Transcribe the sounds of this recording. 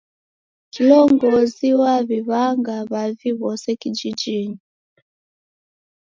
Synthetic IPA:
kilɔŋɡɔziwaβiβaŋɡaβaviβɔsɛkid͡ʒid͡ʒiɲi

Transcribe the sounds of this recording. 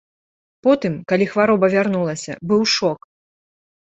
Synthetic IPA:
pɔt̪ɨmkalʲixvaɾɔbɐvʲarnulˠɐsʲɐ̰bɨwʂɔk

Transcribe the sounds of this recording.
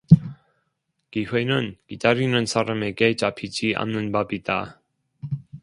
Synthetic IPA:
kiwe̞nɯnkidaɾinɯnsʰaɾame̞ɡe̞t͡ɕapʰid͡ʑiʔa̰nːɯnbabida

